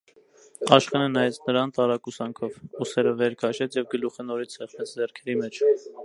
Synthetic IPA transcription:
ɑʃχɛnənɑjɛt͡snəɾɑnt̪ɑɾɑkusɑŋkʰɔvusɛɾəvɛɾkʰɑʃɛt͡sʰjɛvɡəluχənɔɾit͡sʰhɛχnɛt͡sʰd͡zɛrkʰɛɾimɛt͡ʃʰ

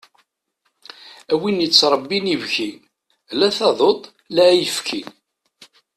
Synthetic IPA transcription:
æwinjət͡sːɾˤəbːinivçi | læθɑðˤot̪ˤ | læjəfkʰḭn

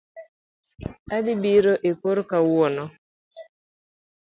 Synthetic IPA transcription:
adɪbiɾoʔekoɾkawwɔnɔ

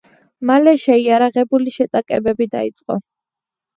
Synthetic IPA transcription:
malɛʃɛiaɾaʁɛbuliʃɛt̪ʼakʼɛbɛbid̪a̰it̪sʼqʼɔ̰

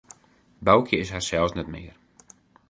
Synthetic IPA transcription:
bawkʰjəɪsɦasɛlˠsnɛtmɪ̰ər

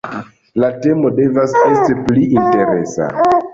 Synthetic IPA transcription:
late̞mo̞de̞vasestepliinte̞ɾe̞sa̰

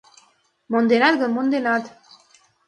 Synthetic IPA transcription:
mond̪enad̪ɡəmond̪enad̪

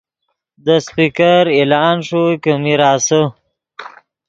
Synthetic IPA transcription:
d̪əspikaɾelɑːnʂukəmiɾɑːsə

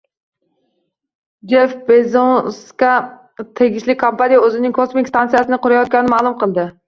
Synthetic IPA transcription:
d͡ʒefbezoskɑ | t̪ʰeɡʲiʃlɪkʲkːʰompanijɛøzɪnɪŋkʰosmɪkʲst̪ʰɑnsijɛsɪnɨqʊɾɑjɑt̪̚kʲɛnɪmɑːlˠumqəlˠd̪ɨ

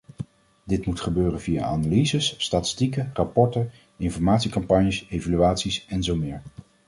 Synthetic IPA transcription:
dɪtmutχəbøːrənvija̰a̰nalizəsːtaːtɪ̥stikərɑpɔɹtə | ɪnfɔɹmaːtsikɑmpɑɲjəsejvalyaːtsisɛnzowmɪːɹ

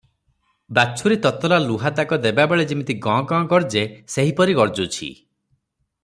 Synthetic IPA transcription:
bat͡ʃʰuɾit̪ɔt̪ɔlaluɦad̪akɔd̪ebabeɭed͡ʒimit̪iɡɔ̃ɡɔ̃ːɡɔɾd͡ʒeseɦipɔɾiɡɔɾd͡ʒut͡ʃʰḭ

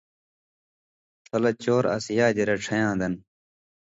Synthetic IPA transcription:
tʰɐlɐt͡ɕoːɾɐ̰sjaːd͡ʑeɾɐʈ͡ʂʰɐjãːd̪ɐn

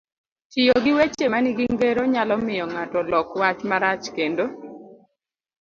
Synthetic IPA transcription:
t͡ʃɪjoɡɪwet͡ʃemaniɡiŋɡeɾoɲalɔmɪjɔŋatɔlɔkwat͡ʃmaɾat͡ʃkendo

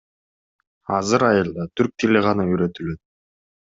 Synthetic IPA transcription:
ɑzɯɾɑjɯlˠd̪ɑt̪ʰyɾk̚t̪ʰelʲeʁɑnɯyɾø̞t̪ylø̞t̪̚

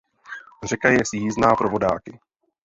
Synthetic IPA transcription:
r̝ɛkajɛsjiːznaːpɾo̞vo̞daːkɪ

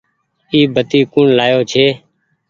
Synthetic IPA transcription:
iːbʱət̪iːkuːɳlaːjoːt͡ʃʰeː

